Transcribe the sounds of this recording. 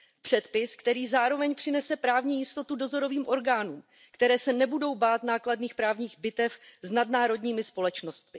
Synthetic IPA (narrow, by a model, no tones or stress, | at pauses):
pr̝̥ɛt̪pɪskt̪ɛɾiːzaːɾo̞vɛɲpr̥ɪnɛsɛpɾaːvɲiːjɪst̪o̞t̪udo̞zo̞ɾo̞viːmʔo̞ɾɡaːnuːm | kt̪ɛɾɛːsɛnɛbudo̞wbaːt̪naːkladniːxpɾaːvɲiːɣbɪt̪ɛfznadnaːɾo̞dɲiːmɪspo̞lɛt͡ʃno̞st̪mɪ